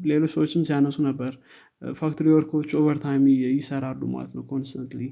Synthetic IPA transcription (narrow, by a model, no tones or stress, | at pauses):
le̞losəwot͡ʃːɪmsijanəsunəbːəɾ | fak̚t̪ʰoɾiwɔɾkʰot͡ʃːovəɾt̪ʰajmjɪsəɾalːṵma̰lə̰t̪nəwkʰonst̪ʰant̪li